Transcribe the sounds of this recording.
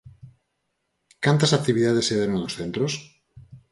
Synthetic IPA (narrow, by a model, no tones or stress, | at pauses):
kant̪asak̚t̪iβiðaðeseðeɾoŋnosθent̪ɾos